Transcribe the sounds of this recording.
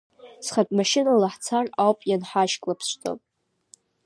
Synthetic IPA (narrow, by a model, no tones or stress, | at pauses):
sχapʼmaʃɪnalaħt͡sʰarawpʼjanħaʃkʼlapʰsʷtʼo̰